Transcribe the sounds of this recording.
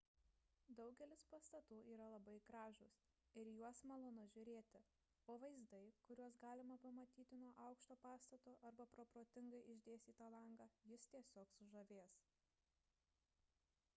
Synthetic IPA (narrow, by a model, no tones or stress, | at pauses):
d̪ɒʊɡʲɛlʲɪspɐst̪ɐt̪uːʔiːɾɐlˠɐbɐɪkɾɑːʒʊs | ɪɾjuɔsmɐlˠʊnʊʒʲʊɾʲeːt̪ʲɪ | oːʋɐɪzd̪ɐɪkʊɾʲuɔsɡɑːlʲɪmɐpɐmɐt̪ʲiːt̪ʲɪnuɔʔɐˑʊkʃt̪oːpɑːst̪ɐt̪oːʔɐɾbɐpɾoːpɾoːt̪ʲɪŋɡɐɪʔɪʒʲd̪ʲeːst̪ʲiːt̪ɐlˠɐŋɡɑːjɪst̪ʲiɛsʲoːksʊʒɐʋʲeːs